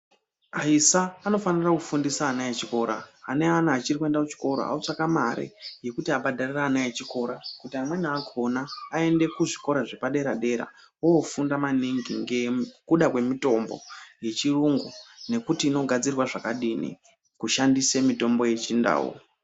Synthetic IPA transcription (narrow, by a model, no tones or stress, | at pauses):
aisaːno̞fanirakufundisaːnajet͡ʃiko̞ɾa̰ane̞anaːt͡ʃirikue̞ndakut͡ʃi̥ko̞ɾo̰a̰ut͡ʂakamaɾḛje̞kutiaɓadʱariraːnajet͡ʃiko̞ɾakutiamwe̞nakʰo̞naːe̞nde̞kuʐiko̞ɾaʐepaɗe̞ɾaɗe̞ɾa̰ | woːfundamaniŋɡiŋɡekuɗakwe̞mito̞mbo̞̰je̞t͡ʃiruŋɡone̞kutiːno̞ɡʱad͡zirwaʐakaɗinḭ | kuʃandisemito̞mbo̞je̞t͡ʃinda̰ːwo̰